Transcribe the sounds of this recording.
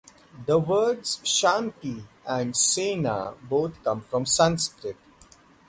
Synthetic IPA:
d̪əʋəːɖz̥ʃãːmkiæ̃ɳɖseːna̰boːt̪ʰkʌ̃mfɾɔ̃msãnskɾɪʈ

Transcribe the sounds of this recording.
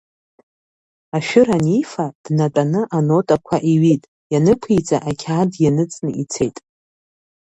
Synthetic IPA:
aʃᶣɪɾanifad̥natʼanɨʔanotʼakʷʰaʔiɥitʼ | janɨkʷʰit͡sʼaʔakʲʰaːdjanɨt͡sʼnɨʔit͡sʰe̞jtʼ

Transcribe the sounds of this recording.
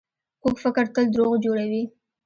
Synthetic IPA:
kokfɪkəɾt̪əld̪ɾoɣd͡ʒoɽawi

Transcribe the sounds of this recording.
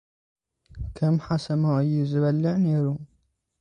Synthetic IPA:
kʰɐmħasɐmɐʔɨjːɪzɨβɐlːɪʕneːɾu

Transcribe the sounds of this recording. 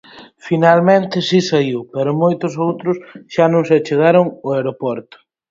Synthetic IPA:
finalmẽnt̪ɪsisaiwpɛɾʊmojt̪ʊsowt̪ɾʊsʃanõŋsɪat͡ʃeɣaɾʊŋʊaeɾopɔɾt̪ʊ̥

